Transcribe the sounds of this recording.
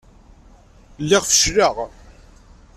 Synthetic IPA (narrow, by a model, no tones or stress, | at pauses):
lːɪʁfə̥ʃɾəʁ